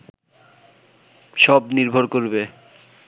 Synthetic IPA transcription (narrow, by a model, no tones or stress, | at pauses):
ʃɔbniɾbʱoɾkoɾbe